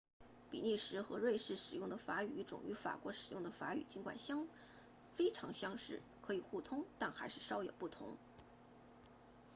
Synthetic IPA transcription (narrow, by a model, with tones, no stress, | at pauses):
pḭ˨˩ni˥˩ʂɻ̩˧˥xɤ˧˥ɻwe˥˧ɪʂɻ̩˥˩ʂɻ̩˨˩jʊ˥˩ŋd̪ə˩fa˧˥y˨˩y˥ʈ͡ʂʊ̰˨˩ŋy˧˥fa̰˨˩kwɔ˧˥ʂɻ̩˨˩jʊ˥˩ŋd̪ə˩fa˧˥y̰˨˩t͡ɕi˧˥nkwa̰˨˩nɕjɑ˥ŋ | fe˥ɪʈ͡ʂʰɑ˧˥ŋɕjɑ˥ŋʂɻ̩˥˩ | kʰɤ˧˥i˨˩xu˥˩t̪ʰʊ˥ŋt̪a˥˩nxa˧˥ɪʂɻ̩˥˩ʂɑ˥ʊjɛ˨˩ʊpu˥˩t̪ʰʊ̰˧˥ŋ